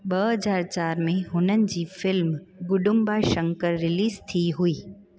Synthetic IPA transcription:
bəɦəzaːɾt͡ɕaːɾmẽɦʊnənɪ̆d͡ʑiːfɪlmɡʊɖʊmbaːʃə̃ŋkəɾːɪliːzt̪ʰiɦuiː

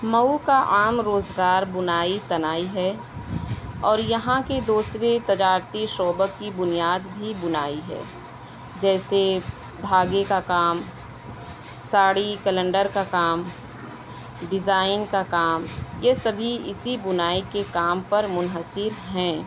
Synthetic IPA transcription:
mɐukaʔaːmɾoːzɡaːɾbʊnaːit̪ɐnaːiɦɛ | ɔːɾjɐɦãked̪uːsɾet̪ɐd͡ʒaːɾt̪iʃɔːbəkːibʊnijaːd̪bʱibʊnaːiɦɛ̰ː | d͡ʒɛːse | bʱaːɡekakaːm | saːɽikələ̃ɳɖəɾkakaːm | ɖɪzaːɪnkakaːmjesɐbʱiɪsibʊnaːikekaːmpɐɾmʊnɦəsɪɾɦɛ̃ː

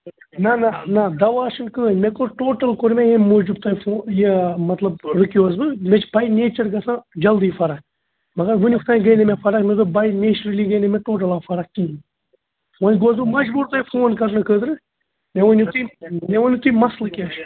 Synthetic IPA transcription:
nɐnanɐd̪ɐʋaːʃɨnkəːnʲmekoɾʈoːʈɐlkoɾmʲejemod͡ʒub̚t̪ɐːjfoːjemɐt̪lˠɐb̚ɾɨkʲjoːzbɨmʲet͡ʃbɐjneːt͡ʃɐɾɡɐsãːd͡ʒɐld̪ɨjfɐɾɐk̚ | mɐɡɐɾʋɨnʲift̪ʰajɡɐjnɐmʲefɐɾɐkmʲed̪ɨbɐjneːt͡ʃɾɐliɡɐjnemʲeʈoːʈ̬ɐlafɐɾɐk̚kin | wonʲɡoːz̬bɨmɐd͡ʒbuːɾt̪ɐjfoːnkɐɾnɨkəːd̪ɨɾɨ | mʲeʋonʲit̪ujmeʋonʲit̪ujmɐslɨkʲa

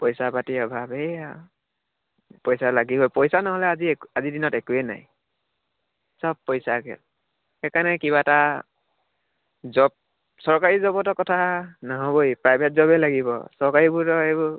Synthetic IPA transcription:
pɔjsapatiɔbʱabɛa | pɔjsalaɡibɔjpɔjsanɔɦɔlɛaziazidinɔtɛkuɛna̰j | sɔb̚pɔjsakɛ̰l | xɛkanɛkiβata | zɔb̚ | sɔɹkaɹizɔbɔtɔkɔtʰanaɦɔbojpɹajbʱɛt̚zɔbɛlaɡibɔ̰sɔɹkaɹibʊɹtɔebɔ

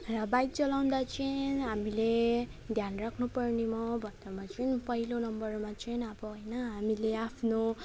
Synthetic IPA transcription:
rʌbajt̪̚t͡sʌlaw̃nd̪at͡sʌɦamile | d̪ʱjanrakʰnupʌrnimʌbʱʌnd̪amat͡sʌnpʌɦilonʌmbʌrmat͡sʌjnʌbʌɦojnʌɦamileapʰno

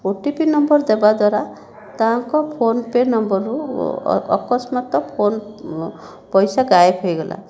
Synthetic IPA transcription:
oʈipinɔmbɔɾd̪ebad̪waɾa | t̪aɦaŋkɔpʰonpeɾnɔmbɔɾṵ | ɔ̰kɔsmat̪ɔpʰon | pɔjsaɡajepʰɔjɡɔla̰

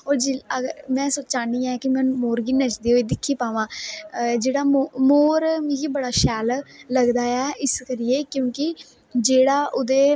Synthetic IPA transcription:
ɦoːɾd͡ʒiəɡɾmɛ̃ːsoːt͡ʃaːniːɛ̃ːkɪmɛ̃ːnmoːɾɡiːnət͡ʃd̪eːoeːd̪ɪkʰːiːpaːʋãːd͡ʒeːɽaːmomoːɾɡiːbəɽaːʃɛːlləɡd̪aːɛːʔɪskəɾɪjeːkjõːkɪ | d͡ʒeːɽaːʔʊd̪eː

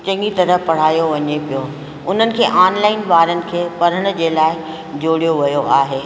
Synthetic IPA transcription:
t͡ɕɐ̃ŋɡit̪ɐɾəpɐɽ̤aːjoʋɐɲepijo | ʊn̤ənɪ̆kʰeːʔaːnlaːɪnʋaːɾənɪ̆kʰeːpɐɾ̤əɽ̃̆d͡ʑeːlaːɪ | d͡ʑoːɽijoʋɐjoʔaːɦeː

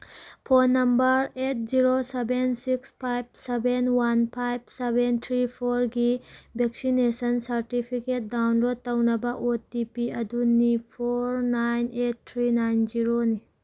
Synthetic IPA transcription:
pʰonːɐmbɐɾeʈ̚ziɾosebensikspʰajbsebenwɐnpʰajbsebent̪ʰɾipʰoɾɡibeksinesənsɐɾʈipʰikeʈ̚ɖawnlod̪̚t̪ɐwnɐbaʔot̪ipiɐd̪unːipʰoɾnajneʈ̚t̪ʰɾinajnd͡ʒiɾoni

